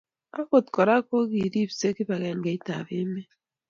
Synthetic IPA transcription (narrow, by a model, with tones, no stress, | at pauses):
a˦ko˨tkɔ˨ɾa˦ko˦ɣi˨ɾi˦˨bse˦ki˦ba˨ɣɛ˨ŋɡe˨˦i˦ta̰˨βɪ˦me˦